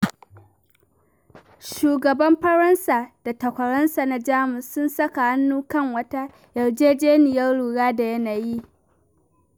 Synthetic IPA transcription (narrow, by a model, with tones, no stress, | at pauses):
ʃuː˨ɡɐ˨bɐ˦mɸɐ˦ɾɐ˦nsaː˨d̥a˨tɐ˨kʷɐ˨ɽɐ˦nsa˨na˦d͡ʒaː˦mʊ˨sːʊ˦nsɐ˦ka˨ʔa˦nːuː˦kɐ˦˨ŋwɐ˦ta˦ | jɐ˨rd͡ʒeː˦d͡ʒeː˦nɪ˨jɐ˦rɽuː˨ɽaː˦da˨jɐ˦naː˨ji˦ʔ